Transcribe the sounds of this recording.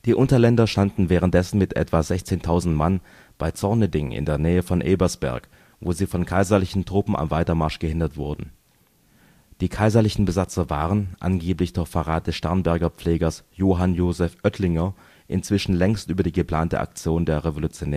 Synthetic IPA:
d̥iːʔʊntɐlɛndɐʃtandn̩vɛːʁənt̚d̥ɛsn̩mɪtʔɛ̰tv̥azɛçt͡seːntʰaʊzn̩tman | b̥aɪt͡sɔɐnədɪŋɪ̰ndeːɐnɛːəfɔnʔeːbɐsb̥ɛ̰ɐk | voːziːfɔnkʰaɪzɐlɪçn̩tʁ̥ʊpm̩a̰mvaɪtɐmaɐʃɡ̥əhɪndɐtv̥ʊɐdn̩ | d̥iːkʰaɪzɐlɪçn̩bəzat͡sɐvaːʁənʔa̰nɡeːplɪçd̥ʊɐçfaʁaːt̚d̥ɛsʃtɛɐnbɛɐɡɐp͡fleːɡɐsjoːɦanjoːzɛfʔœtʰlɪŋɐ | ʔɪnt͡sv̥ɪʃn̩lɛŋstʔyːbɐdiːɡəpl̥aːntə̰ʔa̰k̚t͡sjoːndeːɐʁevolut͡sjonɛː

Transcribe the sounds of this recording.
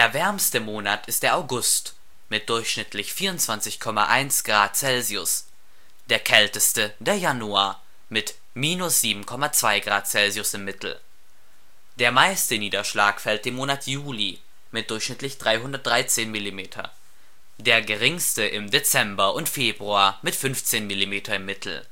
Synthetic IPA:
d̥eːɐvɛɐmstəmoːnatʰɪst̚d̥eːɐʔaʊɡʊst | mɪt̚d̥ʊɐçʃnɪtʰlɪçfiːɐʊntt͡sv̥ant͡sɪçkʰɔma̰ʔaɪnsɡ̥ʁaːt̚t͡sɛlziʊs | d̥eːɐkʰɛltəstəd̥eːɐjanuaːɐ | mɪt | miːnʊsz̥iːbm̩kʰɔmat͡sv̥aɪɡʁaːt̚t͡sɛlziʊsɪmːɪtʰl̩ | d̥eːɐmaɪstəniːdɐʃlaːkfɛlt̚d̥eːmoːnatʰjuːli | mɪt̚d̥ʊɐçʃnɪtlɪçd̥ʁaɪɦʊndɐt̚d̥ʁaɪt͡seːnmɪlimeːtʰɐ̰ | deːɐɡəʁ̞ɪŋstəʔɪmdet͡sɛmbɐʔʊntfeːbʁuaːɐmɪtfʏnft͡seːnmɪlimeːtʰɐɪmːɪtʰl̩

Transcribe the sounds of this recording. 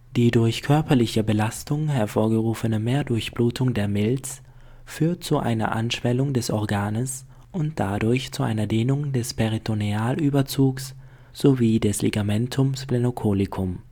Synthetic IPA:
d̥iːdʊɐçkʰœɐpɐlɪçəbəlastʊŋɦɛɐfoːɐɡəʁuːfənəmeːɐdʊɐçb̥luːtʰʊŋdeːɐmɪlt͡s | fyːɐt̚t͡suʔa̰ɪnɐ̰ʔa̰nʃv̥ɛlʊŋdɛsʔɔɐɡaːnəs | ʔʊnt̚d̥adʊɐçt͡suʔa̰ɪnɐdeːnʊŋdɛspʰɛʁitʰoniaːlʔyːbɐt͡suːks | z̥oviːdɛsleɡamɛntʰʊmsplenokʰoːlɪkʰʊm

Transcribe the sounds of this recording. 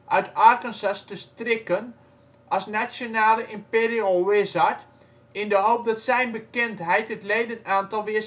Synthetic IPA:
ʔœɥtaɹkənsəstəstrɪkən | ʔɑsnat͡ʃjonaːləʔɪmpeɾiəlˠwɪsat | ɪndəɦowp̚dɔtsɛjnbəkɪntɦɛjtətleːdənaːntɑlˠʋɪəs

